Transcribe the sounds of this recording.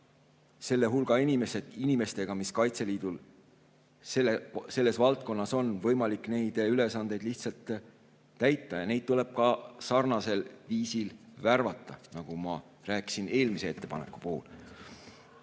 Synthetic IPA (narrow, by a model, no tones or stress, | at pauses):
se̞lːe̞ɦulɡ̥ɑinime̞se̥inime̞st̪e̞ɡ̥ɑmiskɑjt̪se̞liːd̪̥ul | sese̞lːe̞svɑlt̪̚ko̞nːɑso̞nvɤ̞jmɑlikˑne̞jd̪̥yle̞sɑnd̪̥e̞jd̪liht̪sɑlt̪ˑː | æjt̪ːɑjɑne̞jd̪̚t̪ule̞b̥̚kɑsɑrnɑse̞lviːsilværvɑt̪ːˑɑnɑɡ̥umɑ | ɾæːki̥sine̞ːlmisee̞t̪ːe̞pɑne̞̰kːˑu̥po̞ːl